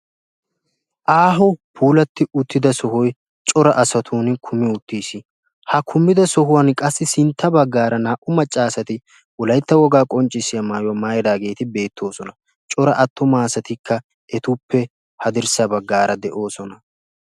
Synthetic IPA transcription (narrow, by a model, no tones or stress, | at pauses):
ʔaːɦɔpʰuːlɐt̪ːɪʊt̪ːɪd̪ɐsɔɦɔj | t͡ʃʼɔɾɐʔɐsɐt̪ʰuːnkʰʊmɪʊt̪ːiːsɪ | hɐkʰʊmːɪd̪ɐsɔhʊwɐnkʼɐsːɪsɪnt̪ːɐbɐɡːaːɾɐnaːʔʊmɐt͡ʃʼːaːsɐt̪ɪ | ʊlɐjt̪ːɐwɔɡaːkʼɔnt͡ʃʼːɪsɪjɐmaːjʊwɐmaːjd̪aːɡe̞ːt̪ɪbe̞ːt̪ʰːo̞ːsɔnɐ | t͡ʃʼɔɾɐʔɐt̪ːʊmaːsɐt̪ɪkʰːɐ | ʔɛt̪ʊpːɛ | hɐd̪ɪɾsɐbɐɡːaːɾʔɐd̪ɛʔo̞ːsɔnɐ